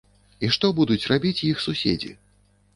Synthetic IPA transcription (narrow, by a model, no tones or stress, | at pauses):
iʂt̪ɔbud̪ut͡sʲrabʲit͡sʲjixsusʲḛd͡zʲḭ